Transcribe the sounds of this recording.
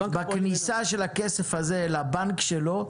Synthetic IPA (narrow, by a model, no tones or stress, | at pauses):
baknisaʃe̞lakesefazelabankʃelo̞